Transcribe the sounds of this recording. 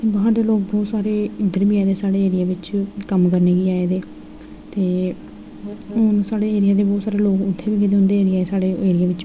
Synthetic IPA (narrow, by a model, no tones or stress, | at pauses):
t̪eːbəɦaːɾd̪eːloːkbɔːt̪saːɾeːɪd̪əɾbiːaːd̪eːsaːɽeːeːɾɪjaːʋɪt͡ʃkəmkəɾneːɡiːaːed̪eː | t̪eː | onsaːɽeːeːɾɪjaːd̪eːbɔːt̪saːɾeːloːkʊt̪ʰːeːʋiːkɪt̪eɦʊ̃nd̪eːeːɾɪjaːeːsaːɽeːeːɾɪjaːʋɪt͡ʃ